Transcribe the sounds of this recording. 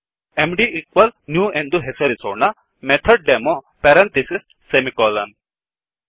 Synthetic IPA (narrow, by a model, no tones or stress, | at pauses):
emɖiʔikʋɐlnjuːʔẽnd̪uɦesɐɾisona | met̪ʰɐɖ̚ɖemo | pɛɾɐ̃nt̪isisʈsemikɔːlɐn